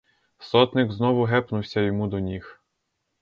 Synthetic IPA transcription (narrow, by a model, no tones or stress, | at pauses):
sɔt̪nɪɡznɔʋʊɦɛpnʊwsʲɐjɔmud̪ɔnʲix